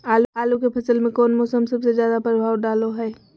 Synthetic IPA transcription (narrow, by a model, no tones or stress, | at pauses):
aːlaːlukepʰɐsəlmẽkɔːnmɔːsəmsɐbsezjaːd̪apɾəbʱaːʋɖaːloɦɛː